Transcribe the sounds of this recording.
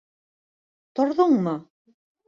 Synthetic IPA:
t̪ŏɾðoɴmɤ

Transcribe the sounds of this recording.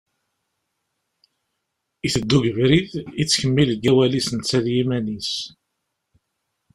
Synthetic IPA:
iθəd̪ːuʝəvɾiðit͡sːçəmːilɡæwælisənt͡sːæðjimænis

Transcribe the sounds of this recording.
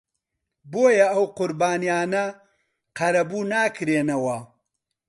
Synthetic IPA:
boːjɐɐwqʊɾbaːnijaːnɐ | qɐɾɐbuːnaːkɾeːnɐwɐ

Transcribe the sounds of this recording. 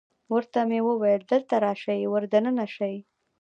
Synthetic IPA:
wəɾt̪amewəwajəld̪əlt̪aɾɑʃajiwəɾd̪ənənaʃaj

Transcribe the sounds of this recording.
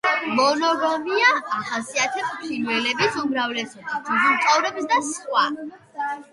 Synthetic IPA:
mɔnɔɡɔmiaːχasiat̪ʰɛbspʰinwɛlɛbisumɾavlɛsɔbat̪uzulˠt̪sʼɔvɾɛbsd̪asχwa

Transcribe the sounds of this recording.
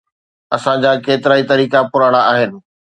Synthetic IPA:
ɐsãd͡ʑaːkeːt̪ɪɾaːit̪ɐɾiːkapʊɾaɽ̃aaːɦɪnɪ̆

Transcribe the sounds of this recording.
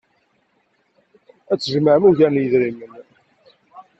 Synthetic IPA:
æt͡sːəʒməʕmuçænjəðɾimən

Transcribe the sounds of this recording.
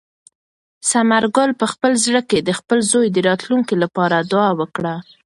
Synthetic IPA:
samaɾɡʊlpəxpəlzɽəked̪əxpəlzojd̪əɾɑt̪luŋkilapɑɾad̪ʊɑwəkɽa

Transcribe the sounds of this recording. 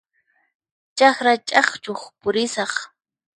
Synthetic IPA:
t͡ʃɑχɾat͡ʃʼɑχt͡ʃoχpʊɾɪsɑχ

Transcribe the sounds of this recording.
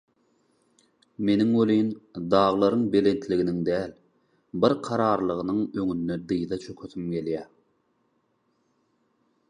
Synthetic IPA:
me̞niŋølyjnd̪ɑːʁlˠɑɾɯŋbe̞le̞nt̪ʰliɣiniŋd̪æːl | biɾqʰɑɾɑːɾlˠɯʁɯnɯŋøŋynːød̪ɯjðɑt͡ʃʰøkʰøθymɡe̞ljæː

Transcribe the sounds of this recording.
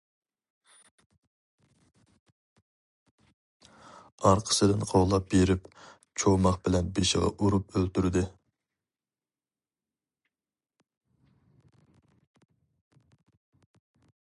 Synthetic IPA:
ɑɾqʰə̥sɨd̪ɪnqʰoʁlˠɑp̚beɾɪp | t͡ʃʰowmɑχbɪlɛnbeʃɪ̰ʁɑ̰ʔuɾupølt̪yɾɪd̪ɪ

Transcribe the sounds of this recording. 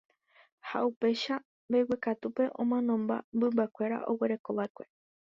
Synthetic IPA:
haʔupe̞ʃa | be̞wekat̪upe̞ʔõ̞mãnõmba̰mbɨmbakʷe̞ɾa̰ʔo̞̰we̞ɾe̞ko̞ʋakʷe̞̥

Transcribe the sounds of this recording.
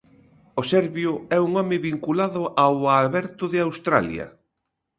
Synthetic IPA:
osɛɾβjʊɛuŋɔmɪβiŋkulaðʊʔawalβɛɾt̪ʊðɪawst̪ɾa̰ljɐ̰

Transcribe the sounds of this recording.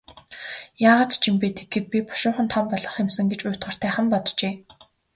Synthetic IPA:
jaːʁaːt̪t͡ɕʰimpeːt̪ʰe̥ɡɘ̆t̪̚pipɔ̥ʃʊːχə̆nt̪ʰɔmpɔɮɞ̆χemsɘ̆ŋɡet͡ɕʊ̥ːt̪̚ɢə̆r̥t̪æːχămpɔt̪t͡ɕeː

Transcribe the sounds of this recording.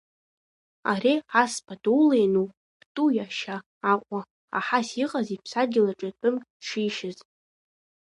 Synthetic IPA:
aɾiaspʰʼadowlejnu | btʼujaʃaː | qʷʼa | a̰ħasiqʼazipʰsad̚ɡʲɪlaʈ͡ʂʼatʼɨmkʼʂiʃɪz

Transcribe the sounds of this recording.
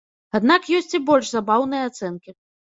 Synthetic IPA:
ad̪nakjɔsʲt͡sʲibɔlʲʐzabawn̪ɨjɐːt̪sɛnkʲi

